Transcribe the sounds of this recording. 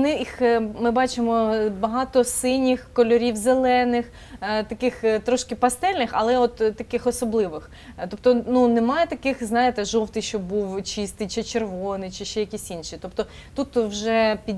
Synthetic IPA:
nɪixmɪbɑt͡ʃɪmɔbɐɦɑt̪ɔsɪnʲixkɔlʲɔɾʲiwzelˠɛnɪx | t̪ɐkɪxt̪ɾɔʃkɪpɐst̪ɛlʲnɪxɐ̰lˠɛɔt̪ːɐkɪxɔsɔblˠɪʋɪx | t̪ɔp̚t̪ɔnunemɑjɛt̪ɐkɪxznɑjet̪ɛʒɔwt̪ɪʃt͡ʃɔbuwt͡ʃist̪ɪjt͡ʃɪt͡ʃerʋɔnɪt͡ʃɪʃɛjɐkʲisʲinʃit̪ɔpt̪ɔ | t̪ut̪wʒɛpʲi

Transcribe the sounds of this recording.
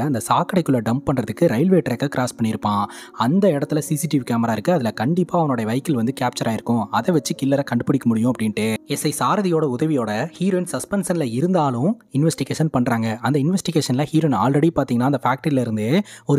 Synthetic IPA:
ɐnd̪ɐsaːkɐɽɐɪkːɯɭːɐɖɐmpɐɳɾɐðɯkːɯɾɐɪlʋeːʈɾɐkːɐkɪɾaːspɐɳːɪɾɯpːãː | ɐnd̪ɐɪɽɐt̪ːɯlɐsiːsiʈɪʋkaːmɐɾaːɪɾɯkːɯɐðɪlɐkɐɳɖɪpːaːɐʋɐnoːɽɐjɐʋɐɪkːɪlʋɐnd̪ɯkaːp̚t͡ʃɐɾaːɪɾɯkːʊ̃ɐðɛʋɐt͡ʃːɯkɪlːɐɾɐkɐɳɖɯpɐɽɪkːɐmʊɽɪjʊ̃ɐpːɐɽɪnʈːɯɛsɐɪsaːɾɐðɪjoːɽɐʊðɐʋɪjoːɽɐhiːɾoːɪnsɐspɛnsɐnɪlɐɪɾɯnd̪aːlʊ̃ɪnʋɛsʈɪɣeːʂɐnpɐɳɾaːŋɡɐʔɐnd̪ɐɪnʋɛsʈɪɣeːʂɐnlɐhiːɾoːɪnaːlɾɛɽipaːɾt̪iːŋɡɐnːaːɪnd̪ɐfaːk̚ʈɐɾɪlɐɪɾɯnd̪ɯɔɾɯ

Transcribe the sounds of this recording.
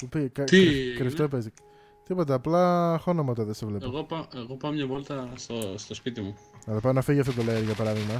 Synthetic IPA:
upikɐt̪ikɾift̪opezi | t̪ipo̞t̪̬ɐːplɐxonomɐt̪ɐðesevle̞poɣopɐʔeɣopɐomɲɐvolt̪ɐsost̪o̞spit̪imu | nɐðopɐnɐfiʝiɐft̪ot̪̬oleeɾʝɐpɐɾɐðiɣmɐ

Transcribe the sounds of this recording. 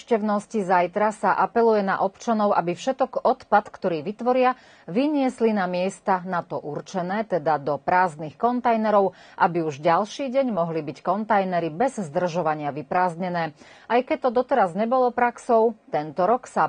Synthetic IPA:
cɛʊnɔscizajt̪ɾasaʔapɛlujɛna̰ʔɔpt͡ʃanɔʊʔabifʃɛt̪ɔkɔt̪pat̪kt̪ɔɾiːʋit̪ʋɔɾɪa | ʋiɲɪɛslinamɪɛst̪anat̪ɔʔurt͡ʃɛnɛːt̪ɛd̪ad̪ɔpɾaːznixkɔnt̪ajnɛɾɔʊ | ʔabiuʒɟalʃiːɟɛɲmɔɦlibickɔnt̪ajnɛɾibɛzzd̪r̩ʒɔʋaɲɪaʋipɾaːzɲɛnɛː | ʔajkɛc̚t̪ɔd̪ɔt̪ɛɾazɲɛbɔlɔpɾaksɔʊt̪ɛnt̪ɔɾɔksa

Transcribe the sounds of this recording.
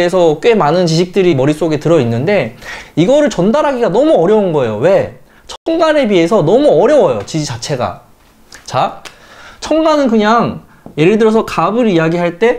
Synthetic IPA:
esʰʌk͈we̞manɯnt͡ɕiɕʰik̚t͈ɯɾimʌɾis͈oɡe̞tɯɾʌinːɯnde̞iɡʌɾɯɭt͡ɕʌndaɾɦaɡiɡanʌmuʌɾjʌunɡʌe̞jowe̞ | t͡ɕʰʌŋɡane̞pie̞sʰʌnʌmuʌɾjʌwʌjot͡ɕid͡ʑit͡ɕat͡ɕʰe̞ɡa̰ | t͡ɕa | t͡ɕʰʌŋɡanɯnkɯɲaŋ | je̞ɾɯɭdɯɾjʌs̬ʰʌkabɯɾijaɡiɦaɭt͈e̞

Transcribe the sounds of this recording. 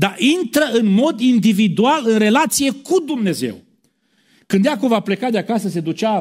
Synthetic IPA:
d̪aʔint̪ɾəɨnmo̞d̪ind̪ivid̪ualɨnre̞lat̪sije̞kud̪umne̞ze̞̰w | kɨnd̪jakobvaple̞kad̪eakasəse̞d̪ut͡ʃa

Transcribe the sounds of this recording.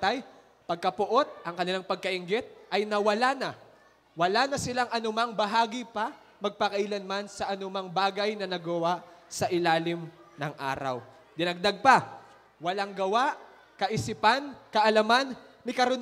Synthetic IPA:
t̪aj | pɐɡ̚kɐpʊʔo̞t̪̚ʔɐŋkɐnɪlaŋpɐɡ̚kɐʔɪŋɡɪt̪̚ʔɐjnɐwɐlanɐ | wɐlanɐsɪlaŋʔɐnʊmaŋbɐɦaːɡipɐ | mɐɡ̚pɐkɐʔilɐnmansɐʔɐnʊmaŋbaːɡɐjnɐnɐɡɐwaʔsɐʔɪlaːlɪmnɐŋʔa̰ːɾɐ̰w | d̪ɪnɐɡ̚d̪aɡ̚pɐ | wɐlaŋɡɐwaʔ | kɐʔɪsɪpankɐʔɐlɐman | mɪkɐɾʊn

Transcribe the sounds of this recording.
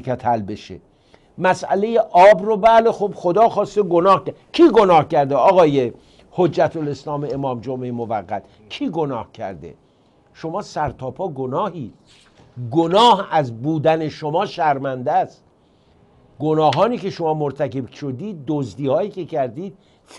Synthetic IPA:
kʰæt̪ʰælbeʃḛ | mæsʔæ̰le̞jeʔɒːbrobæːle̞xobxod̪ɒːxɒːst̪eɡonɒːhkæcʰiːɡonɒːhcæɾd̪eɒːɣɒːje | hod͡ʒːæt̪ʰoleslɒːmeemɒːmd͡ʒomejmovæɣːæt̪ | cʰiːɡonɒːhcʰæ̰ɾd̪ḛ | ʃo̞mɒːsæɾt̪ʰɒːpʰɒːɡonɒːhiː | ɡonɒːhæzbuːd̪æne̞ʃomɒːʃæɾmænd̪æst̪̚ | ɡonɒːɦɒːniːkʰe̞ʃo̞mɒːmoɾt̪ʰæke̞bʃod̪iːd̪̚ːozd̪iːhɒːjiːcʰe̞cʰæɾd̪iːd̪̥̚ | f

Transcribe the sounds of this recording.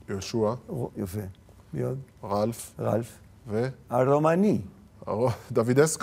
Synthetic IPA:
joʃuajofe | bjod̪ʁalfʁa̰lf | veaɾomanḭ | od̪avid̪esk

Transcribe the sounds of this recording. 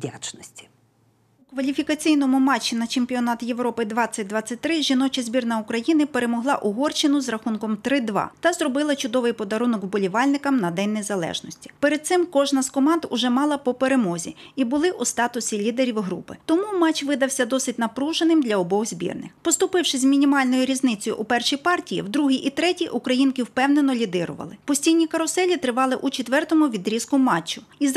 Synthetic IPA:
dʲat͡ʃnɔsʲtʲi̥ | ʊkʋɐlʲifʲikɐt͡sʲijnɔmʊmɑt͡ʃːinɐt͡ʃemʲpʲiɔnɑt̪jeʋɾɔpɪd̪ʋɑt͡sʲːɐt̚ʲd̪ʋɑt͡sʲːɐt̚ʲt̪ɾɪʒinɔt͡ʃɪzʲbʲirnɐʊkɾɐjinɪpe̞ɾemɔɦlˠɑ̰ʔʊɦɔrt͡ʃɪnʊzrɐxunkɔmt̪ɾɪd̪ʋɑ̰t̪ɐzrɔbɪlˠɐt͡ʃʊd̪ɔʋɪjpɔd̪ɐɾunɔkwbɔlʲiʋɑlʲnɪkɐmnɐd̪ɛnʲːeɛzɐlˠɛ̰ʒnɔsʲtʲi̥peɾed̪̚sɪmkɔʒnɐskɔmɑnd̪ʊʒɛmɑlˠɐpɔpeɾemɔzʲḭibʊlˠɪʔust̪ɑt̪ʊsʲilʲid̪eɾʲiwɦɾṵpɪ̰t̪ɔmumɑt͡ʃʋɪd̪ɐwsʲɐd̪ɔsɪt̚ʲnɐpɾuʒenɪmd̪lʲɐɔbɔhzʲbʲḭrnɪ̰xpɔst̪ʊpɪwʃɪzʲmʲinʲimɑlʲnɔjʊɾʲiznɪt͡sʲɔjʊ̰ʔupɛrʃijpɑrtʲijḭwd̪ɾuɦiʔit̪ɾɛtʲiʔʊkɾɐjinkɪwpɛwne̞nɔlʲid̪ɪɾʊ̰ʋɐ̰lˠɪpɔsʲtʲijnʲikɐɾɔsɛlʲit̪ɾɪʋɑlˠɪʔut͡ʃet̪ʋɛrt̪ɔmʊʋʲid̪ɾʲiskʊmɑt͡ʃːʊ | iz

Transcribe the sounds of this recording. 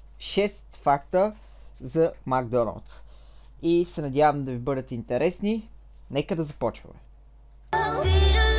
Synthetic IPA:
ʃɛst̪fakt̪ə | zɐmaɡ̚d̪ɔnə̰lˠt̪s | isɛnɐd̪ʲavəmd̪ɐvibɤd̪ət̪int̪ɛɾʔɛsni | nɛkəd̪ɐzɐpɔt͡ʃvə̰mɛ

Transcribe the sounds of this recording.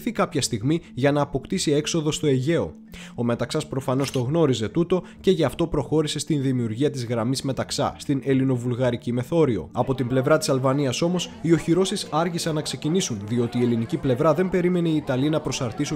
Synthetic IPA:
θikɐpçɐst̪iɣmiʝɐnɐːpo̞kt̪isie̞kso̞ðo̞st̪oe̞ʝe̞o̞̰ | o̞me̞t̪ɐksɐspɾo̞fɐno̞st̪o̞ɣno̞ɾize̞t̪ut̪o̞ | ce̞ʝɐːft̪o̞pɾo̞xo̞ɾise̞st̪inðimiuɾʝiɐt̪izɣɾɐmizme̞t̪ɐksɐ̰st̪ine̞lino̞vulɣɐɾicime̞θo̞ɾio̞̰ɐpo̞t̪imble̞vɾɐt̪isɐlvɐniɐso̞mo̞sio̞çiɾo̞sisɐɾçisɐnːɐkse̞cinisunðio̞t̪iːe̞liniciple̞vɾɐðe̞mbe̞ɾime̞neiːt̪ɐlinɐpɾo̞sɐɾt̪isu

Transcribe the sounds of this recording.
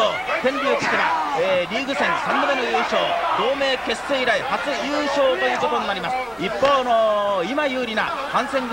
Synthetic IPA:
ot̪ẽ̞mbʲiokʲi̥seβa̰eɾʲiːɡɯ̟sẽ̞ɰ̃sãnːobe̞nojɯːɕo̞ːd̪̥o̞ːme̞ːke̞sːe̞iɾaihat͡sɨjɯːɕo̞ːt̪o̞jɯzot̪oɲinaɾʲimasɨ̥ | ipːo̞ːnoimajɯːɾʲina̰ | kãɰ̃sẽ̞ŋɡ

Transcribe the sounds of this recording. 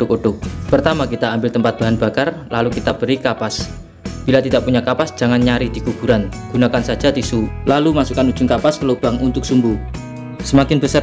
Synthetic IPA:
ʊkoɖʊk̚pərt̪amakit̪aːmbɪlt̪əmpat̪̚b̥a̤ɦanbakarlalukit̪ab̥əɾikapas | b̥ilat̪idaʔpuɲakapasd͡ʒaŋanɲaɾid̥ikub̥uɾanɡ̥unakansḁd͡ʒat̪isulalumasukanud͡ʒʊŋkapaskəlob̥aŋʔunt̪ʊk̚sumbu | səmakɪnbəsar

